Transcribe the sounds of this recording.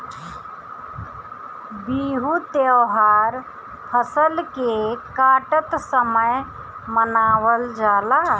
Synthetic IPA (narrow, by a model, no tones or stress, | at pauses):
biɦut̪ewɦaːɾ | hʰəsəlkekaːʈət̪səməj | mənaːwəld͡ʒaːla